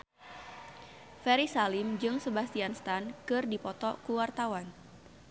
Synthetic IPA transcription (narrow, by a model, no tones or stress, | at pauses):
fɛɾisalɪmd͡ʒɨŋsəbast̪ianst̪ankɨrdipɔt̪ɔkuwart̪awan